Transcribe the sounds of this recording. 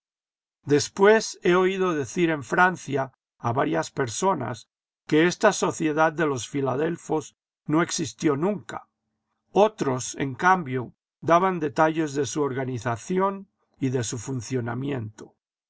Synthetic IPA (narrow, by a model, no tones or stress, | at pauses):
d̪e̞spwe̞se̞o̞ið̞o̞ðe̞θiɾe̞ɱfɾanθjaː | βaɾjaspe̞ɾso̞na̰s | ke̞est̪aso̞θje̞ðaðd̪e̞lo̞sfilaðe̞lfo̞s | no̞e̞ksist̪jo̞nũŋka | o̞t̪ɾo̞se̞̰ŋkambjo̞ | d̪aβand̪e̞t̪aʎe̞zðe̞suoɾɣaniθaθjo̞n | iðe̞sufunθjo̞na̰mjẽnt̪o